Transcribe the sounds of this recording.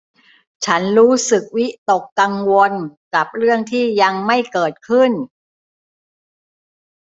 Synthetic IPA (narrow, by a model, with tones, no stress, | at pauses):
t͡ɕʰa˦˥nɾuː˦˥sɯ˨˩k̚wi˦˥t̪o˨˩kːa˧ŋwo˧nka˨˩p̚ɾɯ˥˩əŋt̪ʰiː˥˩ja˧ŋma˥˩jkɤː˨˩t̪̚kʰɯ˥˩n